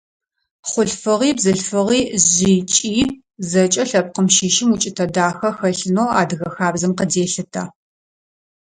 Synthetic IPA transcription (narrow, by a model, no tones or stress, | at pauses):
χʷʊɬfɨʁiːbzɨɬfɨʁiːʑiːt͡ʃʼiː | zɐt͡ʃʼɐɬɐp̚qəmʃiːʃɪmut͡ʃʼɪtʰɐdaːxɐxɐɬɨnoːa̰ːdɨɣɐxaːbzɨmqədeːɬɨtʰɐ